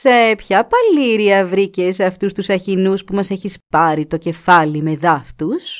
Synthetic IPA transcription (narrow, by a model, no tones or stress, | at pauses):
se̞pçɐpɐliɾiɐvɾice̞seɐft̪ust̪usɐçinuspumɐse̞çispɐɾit̪o̞ce̞fɐlime̞ðɐft̪us